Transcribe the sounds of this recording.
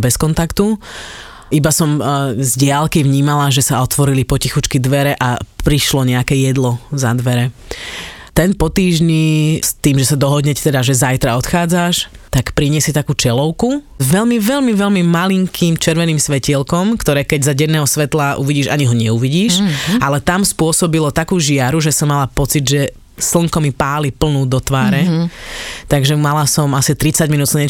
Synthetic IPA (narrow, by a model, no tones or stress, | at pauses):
bɛskɔnt̪akt̪u | ibasɔmzɟɪalkiʋɲiːmalaʒɛsaɔt̪ʋɔɾilipɔcixut͡ʃkid̪ʋɛɾɛʔapɾiʃlɔɲɛakɛjɛd̪lɔzad̪ʋɛɾɛ | t̪ɛnpɔt̪iːʒɲist̪iːmʒɛsad̪ɔɦɔd̪ɲɛct̪ɛd̪aʒɛzajt̪ɾaɔt̪xaːd͡zaʃt̪akpɾiɲɪɛsɪɛt̪akuːt͡ʃɛlɔʊku | ʋɛlmiʋɛlmiʋɛlmimaliŋkʰiːmt͡ʃɛɾʋɛniːmsʋɛcilkɔmkt̪ɔɾɛːkɛɟzaɟɛnːɛːɦɔsʋɛt̪laʔṵʋiɟiːʃa̰ɲiɦɔɲɛuʋiɟiːʃʔalɛt̪amspʊɔsɔbilɔt̪akuːʒɪaɾuʒɛsɔmːalapɔt͡sid̪ʒɛ | sl̩ŋkɔmipaːlipl̩nuːd̪ɔt̪ʋaːɾɛ | t̪aɡʒɛmalasɔmasit̪ɾit͡saɟminuːt̪sɲɛ